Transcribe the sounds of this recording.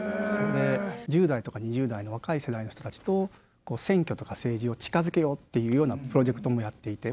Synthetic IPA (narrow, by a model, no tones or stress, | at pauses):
and̪e̞ʑɨːd̪ait̪o̞kaɲ̟iʑɨːd̪aino̞β̞akaise̞d̪aino̞çi̥t̪o̞t̪at͡ɕi̥t̪o̞ | ko̞ːsẽ̞ŋkʲo̞t̪o̞kase̞ːʑio̞t͡ɕi̥kazɨke̞jo̞t̪ːe̞jɯ̟ːjo̞ːnapɯ̟ɾo̞ʑe̞kɯ̟t̪o̞mo̞jat̪ːe̞it̪e̞